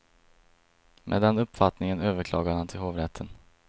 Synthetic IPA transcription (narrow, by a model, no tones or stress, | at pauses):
mʔḛːd̪ɛnɵpːfat̪nɪŋənøːvəɾkʰlɑːɡad̪hant̪ʰɪlhoːvɾɛt̪ʰːən